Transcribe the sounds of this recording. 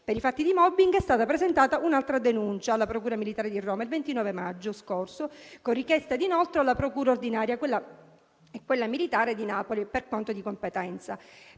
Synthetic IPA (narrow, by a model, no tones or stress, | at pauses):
peɾifat̪ːid̪imɔbːiŋɡɛst̪aːt̪apɾezent̪aːt̪aʔunalt̪ɾad̪enunt͡ʃaːlːapɾokuːɾamilit̪aːɾed̪irːoːmailvent̪inɔːvemad͡ʒːoskorsokorikjɛst̪ad̪inolt̪ɾoalːapɾokuːɾaord̪inaːɾjakwelːa | ɛkːwelːamilit̪aːɾed̪inapoliperkont̪od̪ikompet̪ɛnt̪sa